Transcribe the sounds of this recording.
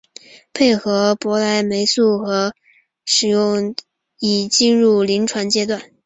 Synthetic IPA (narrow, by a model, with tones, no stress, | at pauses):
pʰe˥˩ɪxɤ˧˥pwɔ˧˥la˧˥ɪme˧˥ɪsu˥˩xɤ˧˥ | ʂɻ̩˨˩jʊ˥˩ŋ | i˨˩t͡ɕi˥˧nɻu˥˩li˧˥ŋʈ͡ʂʰwa˧˥nt͡ɕjɛ˥t̪wa˥˩n